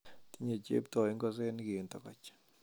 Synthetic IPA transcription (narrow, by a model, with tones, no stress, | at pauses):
t̪i˦ɲe˨t͡ʃḛ˦p̚t̪ɔ˨i˦ŋɡɔ˦˨s̬e˦n˦ɡi˨nt̪ɔ˨kɔ̰˨t͡ʃ